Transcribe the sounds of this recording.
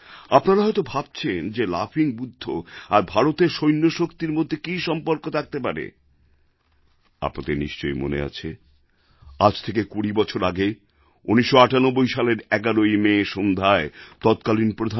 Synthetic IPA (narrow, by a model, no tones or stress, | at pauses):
apnaɾaɦɔjt̪obʱab̚t͡ɕʰend͡ʑela̰fiŋbud̪ʱːoaɾbʱaɾot̪eɾʃojnːoʃokt̪iɾmod̪ʱːekiʃɔmpoɾkot̪ʰak̚t̪epaɾḛ | a̰pnat̪eniʃt͡ɕojmo̰nḛa̰t͡ɕʰe | ad͡ʑt̪ʰekekuɽibɔt͡ɕʰoɾaɡe | uniʃːoaʈanobːojʃaleɾɛɡaɾojmeʃond̪ʱaet̪ɔt̪kalinpɾod̪ʱa